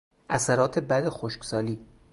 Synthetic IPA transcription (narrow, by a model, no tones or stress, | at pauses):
ʔæsæɾɒːt̪ʰebæd̪exoʃksɒːliː